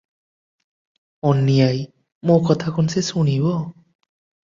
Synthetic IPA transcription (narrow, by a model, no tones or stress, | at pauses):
ɔnːijaj | mokɔt̪ʰakʰɔnsesuɽibɔ